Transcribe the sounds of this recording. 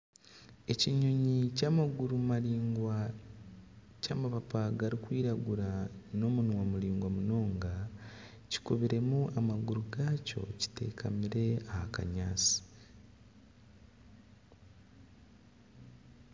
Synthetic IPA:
e̞ciɲoɲicamaɡuɾumaiɡa | caːmapapaɡaɾikwiːɾaɡuɾano̞munwamuliːŋɡwamuno̞ːŋɡa | ci̥kuβiɾe̞muʔamaɡuɾuɡaco̞̰ci̥te̞̰ːkʰamiɾe̞ahaka̰ɲaːt͡si̥

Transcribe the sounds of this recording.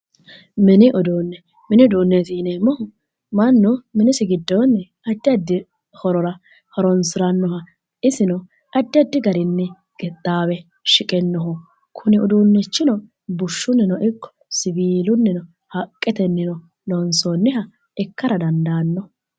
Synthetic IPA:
mɛnɪʔɔd̪oːnːɛ | mɛnɪɔd̪oːnːɛt̪iːnemːɔhʊ | mɐnːʊmɪnɪsɪɡɪd̪ːoːnːɛ | ɐd̪ːɪɐd̪ːɪ | hɔɾɔɾɐ | hɔɾɔnsɪɾɐnːɔhɐ | ɪsɪnɔ | ɐd̪ːɪɐd̪ːɪɡɐɾɪnːɛ | ɡ̥ɛt̪ʼːaːwɛ | ʃɪkʼɛnːɔɦɔ | kʰʊnɪɔd̪uːnːɛt͡ʃːɪnɔ | bʊʃːʊnːɪnɔʔɪkːɔ̥sɪbiːlʊnːɛnɔ | hɐkʼːɛt̪ɛnːɪnɔ | lɔnsoːnːɪɦɐ | ɛkːɐɾɐd̪ɐnd̪aːnːɔ

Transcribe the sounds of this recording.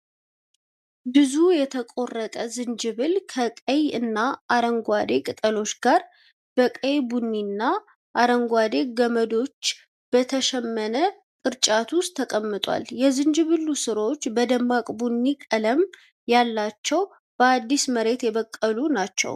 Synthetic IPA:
bɨzujɛt̪ʰəkʼo̞rːət̪ʼəzɨnd͡ʒɨβɨlkʰəkʼəjɨnːaʔaɾəŋɡʷad̪e̞kʼɨt̪ʼəlo̞t͡ʃːɡaɾ | b̥əkʼəjbunːinːa | ʔaɾəŋɡʷad̪e̞ɡəməd̪o̞t͡ʃː | b̥ət̪ʰəʃɛmːənə | kʼɨɾt͡ʃʼat̪ʰust̪ʰːəkʼəmːɨt̪ʼwa̰ljɛzɨnd͡ʒɨβɨlːusɨɾo̞t͡ʃːbəd̪əmːakʼbunːikʼələm | jalːat͡ʃːɛw | b̥əad̪ːisməɾe̞t̪jɛbəkʼːəlunat͡ʃːɛ̰w

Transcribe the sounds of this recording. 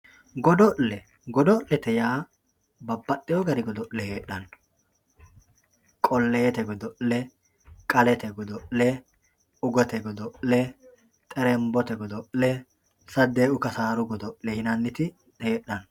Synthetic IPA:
ɡɔd̪ɔʔlɛ | ɡɔd̪ɔʔlɛt̪ɛjaː | bɐbːɐt̪ːɛjɔɡɐɾɪɡɔd̪ɔʔlɛheːᶑɐn | kʼɔlːeːt̪ɛɡɔd̪ɔʔlɛ | kʼɐlɛt̪ɛɡɔd̪ɔʔlɛ | ʊɡɔt̪ɛɡɔd̪ɔʔlɛ | t̪ʼɛɾɛmbɔt̪ɛɡɔd̪ɔʔlɛ | sɐd̪eːʔʊkɐsaːɾʊɡɔd̪ɔʔlɛhɪnɐnːɪt̪ɪ | eːɗːɐn

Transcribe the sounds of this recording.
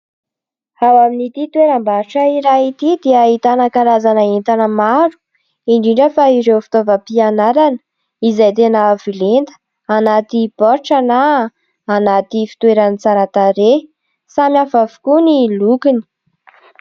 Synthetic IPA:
awaminit̪it̪weɾambaɾʈ͡ʂəiɾait̪id̪eait̪anakaɾazanaent̪anəmaɾu̥ | iɳɖ͡ʐiɳɖ͡ʐəfaiɾewfi̥t̪ovəpianaɾanə̥ | izajt̪̬enavilent̪ə̥ | anat̪ipɔɾʈ͡ʂanaː | nat̪ifi̥t̪weɾanit͡saɾat̪aɾe | samiafavu̥kunilukini̥

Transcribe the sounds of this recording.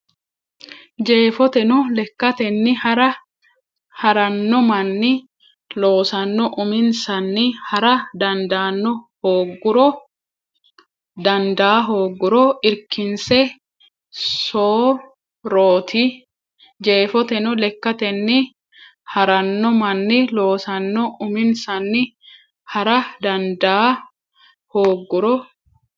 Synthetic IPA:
d͡ʒe̞ːfɔt̪ɛnɔlɛkːɐt̪ɛnːɪhɐɾɐ | hɐɾɐnːɔmɐnːɪ | lo̞ːsɐnːɔʔʊmɪnsɐnːɪhɐɾɐd̪ɐnd̪aːnːɔhoːɡːʊɾɔ | d̪ɐnd̪aːɦo̞ːɡːʊɾɔɪɾkɪnsɛ | soː | ɾoːt̪ʰɪ | d͡ʒe̞ːfɔt̪ɛnɔlɛkːɐt̪ɛnːɪ | hɐɾɐnːɔmɐnːɪlo̞ːsɐnːɔʔʊmɪnsɐnːɪ | hɐɾɐd̪ɐnd̪aː | hoːɡːʊɾɔ

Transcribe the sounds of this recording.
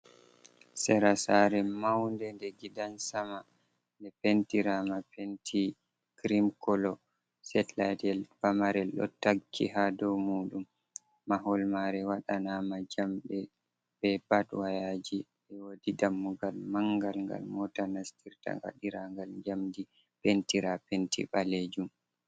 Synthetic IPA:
sɛɾasaɾɛmawndɛndɛɡidansama | ndɛpentiɾamapentʰi | kɾimkɔlɔ | sɛtladɛlpamaɾɛlɗɔ̰takʰːḭɦadɔwmuːɗumː | aɦɔlmaɾɛwaɗanamad͡ʒamɗɛ | b̥ɛbatwajad͡ʒi | ɛwodidamːuɡalmaŋɡalŋɡa̰lmɔtanastiɾta̰ŋɡa̰ɗiɾaŋɡald͡ʒamdi | pentiɾapentḭɓaled͡ʒum

